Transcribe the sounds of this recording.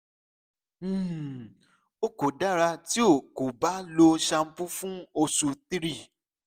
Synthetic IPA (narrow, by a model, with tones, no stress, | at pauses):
o˦ko˨da˦ɾa˧ti˦o˦˨ko˨ba˨˦lo˧ʃa˧m̩˦pu˦fũ˦o˧su˧ti˦ɾi˦˨